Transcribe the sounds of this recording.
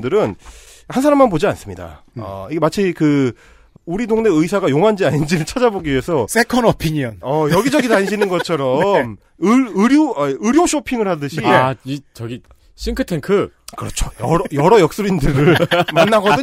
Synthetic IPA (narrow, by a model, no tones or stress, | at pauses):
dɯɾɯn | hansʰaɾamːanbod͡ʑia̰ns͈ɯmɲida̰ | ʌ̰iɡemat͡ɕʰikɯ | uɾidoŋne̞ɯis̬ʰaɡajoŋɦand͡ʑiaɲind͡ʑiɾɯɭt͡ɕʰad͡ʑaboɡiɥie̞sʰʌs͈ʰekʰʌnʌpʰiɲiʌnʌjʌɡid͡ʑʌɡidaɲɕʰinɯnɡʌt͡ɕʰʌɾʌm | ɯɯɾjoaɯɾjoɕʰopʰiŋɯɭhadɯɕʰiit͡ɕʌɡi | ɕʰiŋkʰɯtʰeŋkʰɯ | kɯɾʌt͡ɕʰo̥jʌɾjʌɾʌjʌk̚s͈oɾindɯɾɯɭmanːaɡʌdɯ